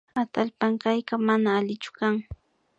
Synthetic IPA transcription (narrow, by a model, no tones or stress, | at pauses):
at̪alpaŋkajkamanaːlɪt͡ʃʊ̥kaŋ